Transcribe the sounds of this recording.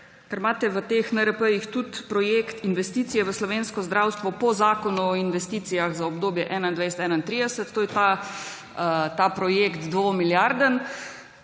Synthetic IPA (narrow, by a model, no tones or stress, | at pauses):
kɛɾmaːt̪ɛʋət̪eːxnəɾəpəjixt̪ut̪pɾɔjeːkt̪inʋɛst̪iːt̪sijɛʋəslɔʋeːnskɔzd̪ɾawst̪ʋɔpɔzaːkɔnuɔinʋɛst̪iːt̪sijaɣzaɔbd̪oːbjɛʔɛːnaind̪ʋajsɛt̪ɛːnaint̪ɾiːd̪ɛsət̪ːoːjɛt̪a | t̪apɾɔjekt̪d̪ʋomiljaɾd̪ən